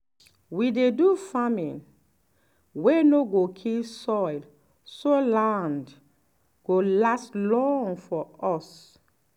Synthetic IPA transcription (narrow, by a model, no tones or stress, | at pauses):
widedufamĩn | wenoɡokʰilsɔɪl | solãnd | ɡ̥olastlɔ̃ŋfɔɔs